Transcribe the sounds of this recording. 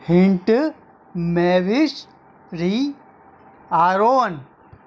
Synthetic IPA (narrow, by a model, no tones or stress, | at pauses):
hiɳʈ | meʋiʃ | ɾi | aːɾoːn